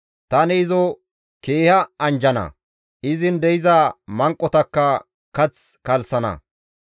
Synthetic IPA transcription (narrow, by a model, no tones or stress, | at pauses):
t̪ɐnɛɪzɔ | keːhɐɐnd͡ʒɐnɐ̰ | ʔɪzɪnd̪ɛjɪzɐmɐŋkʼːɔt̪ɐkːɐ | kɐt͡skɐlsɐnɐ̰